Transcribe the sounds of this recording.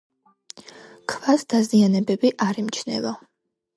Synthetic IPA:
kʰvasd̪̥azianɛbɛbiʔaɾimt͡ʃʰnɛ̰lɔ

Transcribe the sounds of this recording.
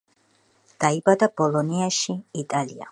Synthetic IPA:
d̪̥aibad̪ab̥ɔlˠɔniaʃiit̪ʼalia̰

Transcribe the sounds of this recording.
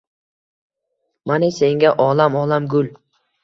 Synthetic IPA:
manese̞ŋɡʲaʔɒlamɒlamɡʊl

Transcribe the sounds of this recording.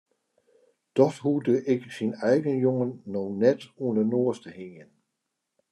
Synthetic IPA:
d̥ɔfhuːd̥əʔe̝ɡ̥əsinaɪɡ̥ənjoŋənɔʊnɛd̥ɔnɐnoːɐsd̥əheŋən

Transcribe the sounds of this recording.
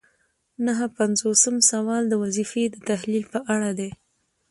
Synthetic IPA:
nəɦəpanzosəmsawɑld̪əwazifed̪ət̪ahlilpəʔaɽad̪e

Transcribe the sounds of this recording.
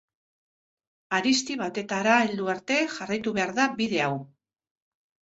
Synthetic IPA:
aɾist̪iβ̞at̪e̞t̪aɾaeld̪uaɾt̪e̞xarajt̪uβe̞aɾðabiðe̞aw

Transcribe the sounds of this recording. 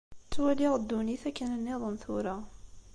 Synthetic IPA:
t͡sːwæliʁəd̪ːuniθækːənənːiðˤənθʊɾa

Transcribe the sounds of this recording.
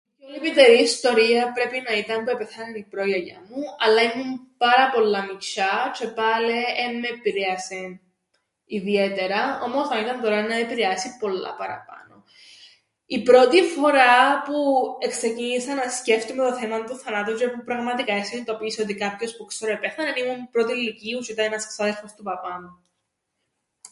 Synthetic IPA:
colipit̪e̞ɾiːst̪o̞ɾiɐpɾe̞pinɐit̪ɐmpue̞peθɐnenipɾo̞jɐʝɐ̰muɐlːɐimumpɐɾɐpo̞lːɐmit͡ʃɐt͡ʃʰe̞pɐleemːeːpiɾeɐse̞ | iðie̞t̪e̞ɾɐo̞mosɐnit̪ɐnt̪o̞ɾɐnɐepiɾeɐsipo̞lːɐ̰pɐɾɐpɐ̰no̞ | ipɾo̞t̪ifo̞ɾɐpuekse̞cinisɐnɐsce̞ft̪umet̪oθemɐnt̪uθɐnɐt̪od͡ʒepupɾɐɣmɐt̪ikɐeseint̪o̞piso̞t̪ikɐpço̞spuksoɾoepeθɐnenimumpɾo̞t̪ilːiciusit̪ɐinɐsksɐðelfost̪upɐpɐnu

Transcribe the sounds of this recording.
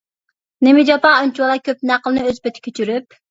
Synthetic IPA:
nemɪd͡ʒɑpɑunt͡ʃuwlˠɑkʲʰøp̚næqəlˠnɨøzbet̪ʰɪ̥kʲʰøt͡ʃʰyɾyp̚

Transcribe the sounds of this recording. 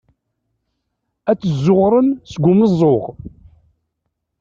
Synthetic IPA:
æt͡sːəzːʊʁɾˤənsəɡʷʊməzˤːoʁ

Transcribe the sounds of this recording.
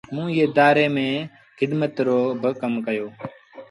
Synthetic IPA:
mũːjeːd̪aːɾeːmẽː | xɪd̪mət̪ɾoːbəkəmkəjoː

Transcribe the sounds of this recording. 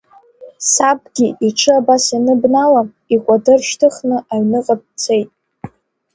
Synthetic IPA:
sab̚ɡʲiʔiʈ͡ʂʰɨabasinɨbnalam | ikʷʼadɨrʃtʰɨχnɨʔaɥnɨqʼap̚t͡sʰejtʼ

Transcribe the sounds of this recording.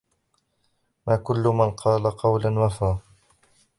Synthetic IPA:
maːkʊlːʊmanqʰɑːlaqɑwlanwafaː

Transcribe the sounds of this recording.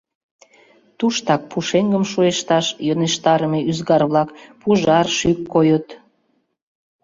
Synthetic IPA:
t̪uʃt̪ɑk̚puʃeŋɡəmʃueʃt̪ɑʃjoneʃt̪ɑɾəmeyzɡɑrβlɑkpuʒɑrʃykːojot̪

